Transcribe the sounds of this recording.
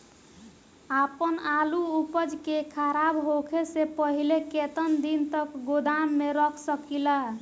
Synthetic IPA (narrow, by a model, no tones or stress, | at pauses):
apənaluupəd͡ʒkekʰəɾabɦokʰesepəɦileket̪ənd̪int̪əkɡod̪amːeɾəkʰsəkila